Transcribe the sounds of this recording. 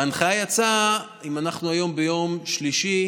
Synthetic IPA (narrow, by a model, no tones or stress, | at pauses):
anχajat͡sa | imanaχnuajo̞mbejo̞mʃliʃi